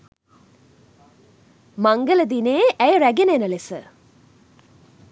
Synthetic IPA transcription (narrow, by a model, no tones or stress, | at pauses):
maŋɡələd̪ineːʔæjəɾæɡenənəlesə